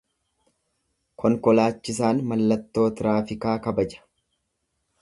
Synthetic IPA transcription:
kʰɔŋkɔlaːt͡ʃːɪs̬aːnmɐlːɐt̪ːo̞ːt̪ɪɾaːfɪkaːkɐbɐd͡ʒɐ̥

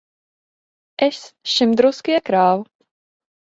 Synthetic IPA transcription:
ʔɛsʃɪmd̪ɾowskɪɛkɾaːw

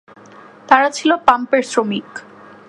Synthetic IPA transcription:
t̪aɾat͡ɕʰilopampeɾsɾomik

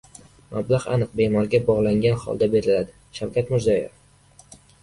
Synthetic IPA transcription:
mablaʁa̰nɨq̚be̞mɒɾɡʲabɒʁlˠaŋɡʲanhɒ̰lˠd̪abe̞ɾɪlad̪ɪ | ʃawkʲʰat̪mʊɾzajɪ̰f

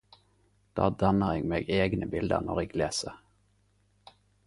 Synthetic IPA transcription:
d̪̥ɑ̰ːd̪ɑnəʁeːɡmeːɡeːɡnəbɪld̪ə̰ʁnɔʁeːɡleːsəʁ

